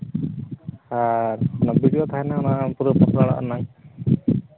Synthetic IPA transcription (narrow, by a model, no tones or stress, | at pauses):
haɾɔnabiɖiɔt̪ʰaɛnaɔnapuɾupɔsɾaɭa̰ʔa̰naŋ